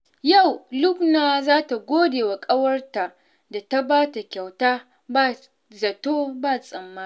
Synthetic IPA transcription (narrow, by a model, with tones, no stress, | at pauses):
ja˦˨wlʊ˦knaː˨zaː˦ta˨ɡʷoː˦deː˨wa˨kʼɐ˦wɐ˦rta˨ʔ | da˨ta˦baː˦ta˨kʲa˨wtaː˦ | ba˦˨ | zɐ˨toː˦baː˦˨sʼɐ˨mːaː˦˨